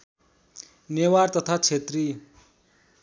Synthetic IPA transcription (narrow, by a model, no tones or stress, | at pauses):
newart̪ʌt̪ʰat͡sʰet̪ri